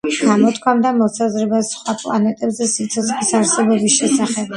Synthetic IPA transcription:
ɡ̥amɔt̪ʰkʰwamd̪amɔsazɾɛbasχwapʼlˠa̰nɛt̪ʼɛbzɛsit̪sʰɔt̪sʰχlisaɾsɛbɛbisʃɛsaχɛb̚

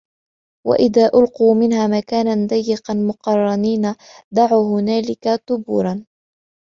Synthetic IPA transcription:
wa̰ʔɪðaːʔʊlquːmɪnɦaːmakaːnand̪ajːɪqɑnmʊqɑrˤːɑniːna | d̪aʕuːɦʊnaːlɪkat̪ʊbṵːɾˤɑn

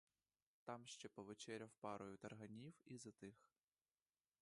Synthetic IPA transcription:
t̪ɑmʃt͡ʃɛpɔʋet͡ʃɛɾʲɐwpɑɾʊjʊt̪ɐrɦɐnʲiwizɐt̪ɪx

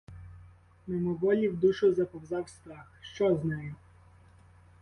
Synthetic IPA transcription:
memɔʋɔlʲiwd̪uʃʊzɐpɔwzɑwst̪ɾɑxʃt͡ʃɔznɛjʊ

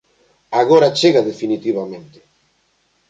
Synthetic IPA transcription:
aɣoɾat͡ʃeɣaðefinit̪iβ̞amẽnt̪ɪ̥

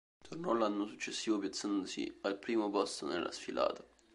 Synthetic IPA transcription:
t̪ʰornɔlːanːosut͡ʃːesːiːvopjat̪sːand̪osḭalpɾiːmopɔst̪onḛlʔa̰sfilʔa̰ːt̪ḁ

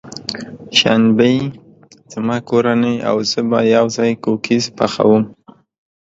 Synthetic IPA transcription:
ʃanbe | z̥amɑkoɾanea̰wzəbajawzɑjkokʰizpaxa̰wum

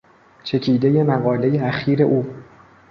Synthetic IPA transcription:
t͡ʃʰe̞cʰiːd̪e̞je̞mæɣɒːle̞jeæxiːɾe̞ʔuː

